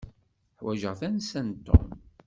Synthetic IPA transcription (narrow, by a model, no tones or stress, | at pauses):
ħwæʒəʁθænsænt̪ːo̰m